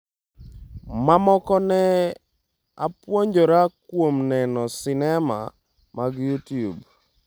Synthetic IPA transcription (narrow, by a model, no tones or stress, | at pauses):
mamɔkɔnɛ | a̰pwoɲd͡ʒoɾakwomnɛnɔsɪnɛma̰ | maɡjutjub